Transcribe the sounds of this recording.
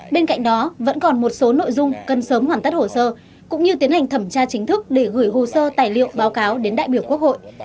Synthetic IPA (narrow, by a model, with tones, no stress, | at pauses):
ɓe˧nka̰˧˨jŋ̟ɗɔ˨˦və̰˧˥nkɔ˨˩nmo˨˩t̚so˨˦no̰˧˨jzʊ˧ŋ͡mkə˨˩nsəː˨˦mhwaː˨˩nt̪a˦˥t̚ho˧˩səː˧ | kʊ̰˧˥ŋ͡mɲɨ˧t̪i˨˦ənha˨˩ŋ̟t̪ʰə˧˩mt͡ɕaː˧t͡ɕï˨˦ŋ̟t̪ʰɨ˦˥k̚ɗe˧˩ɣɨː˧˩jɦo˨˩səː˧t̪aː˨˩jlḭ˧˨ə˨wɓaː˨˦wkaː˨˦wɗe˨˦nɗa̰ː˧˨jɓi˧˩əwku˦˥ək̚ho̰˧˨j